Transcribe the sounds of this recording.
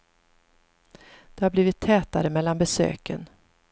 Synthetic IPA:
d̪̥ɛhaɾbliːvɪt̪ʰːɛːt̪aɾəmɛlːanbɛsø̰ːkə̰n

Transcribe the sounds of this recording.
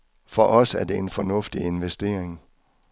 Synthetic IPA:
fɒ̽ʔɒ̽sæɐd̥e̝enfɒ̽nɔ̽fd̥ie̝nʋesd̥e̝ːɐ̰eŋ

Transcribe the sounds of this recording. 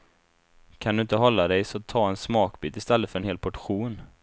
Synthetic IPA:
kʰand̪ɵɪnt̪əɦɔlːad̪ɛjsɔt̪ʰːɑːɛnsmɑːkbiːt̪ɪst̪ɛlːət̪fœɾɛnheːlpʰɔʈɧuːn

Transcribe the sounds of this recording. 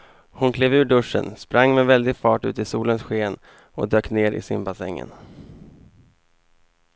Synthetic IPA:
hʊnkʰleːvʉ̟ːɖɵʂːə̰nspɾaŋːmɛvɛld̪ɪɡfɑːʈʉ̟ːt̪ɪsuːlənsɧeːn | ɔd̪øːkneːɾɪ̰sɪnbasɛŋːə̰n

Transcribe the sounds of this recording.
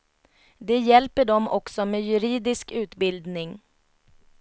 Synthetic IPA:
d̪ɛjɛlpəɖɔmʔɔksɔmeːjɵɾiːd̪ɪskʉ̟ːt̪bɪld̪nɪŋ

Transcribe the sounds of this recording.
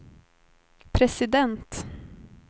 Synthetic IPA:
pʰɾɛsɪd̪ɛnt̪

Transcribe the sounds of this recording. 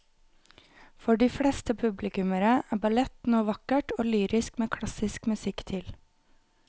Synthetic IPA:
fɔɖiːfɽeːst̪əpʰʉblɪkʉməɾəæːbɑlɛt̪noːʋɑkəʈoːlyːɾɪskmeːkʰɽɑsɪskmʉsɪkt̪ʰɪl

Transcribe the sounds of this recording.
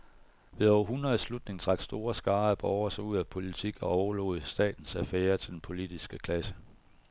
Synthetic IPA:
ʋe̝ðˠɒʊɐɦunɐð̩ˠslud̥ne̝ŋd̥ʁɑ̈ɡ̥sd̥o̝ːɐsɡ̥ɑ̈ːæb̥ɒʊɐsɒuð̰ˠæpʰo̝lit͡sʰiɡ̥ɒɒʊɐlo̰ːð̩ˠəsd̥ɛ̰ːd̥n̩sæfeːɐt͡sʰe̝d̥enpʰo̝lid̥isɡ̥əkʰlæsə

